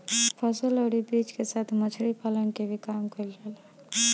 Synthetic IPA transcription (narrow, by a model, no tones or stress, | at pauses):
pʰəsələɽibit͡ʃkesat̪ʰmət͡ʃʰɾipalənkebʱikamkəjlɾəl